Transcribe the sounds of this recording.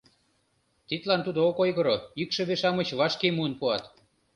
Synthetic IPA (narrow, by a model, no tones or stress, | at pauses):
t̪it̪lɑnt̪ud̪ookojɣəɾoikʃɤ̆βeʃɑmə̆t͡ɕβɑʃkemuənpuɑt̪